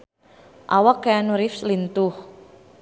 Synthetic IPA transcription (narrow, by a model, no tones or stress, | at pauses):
ʔawakaanuɾifslint̪uh